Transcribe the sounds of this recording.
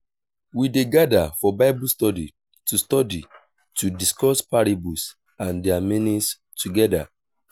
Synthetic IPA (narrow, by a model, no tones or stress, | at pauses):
wideɡadafɔbaɪbustɔdi | tustɔdi | tudiskɔspaɹibus | ãndɛaminĩs | tuɡɛda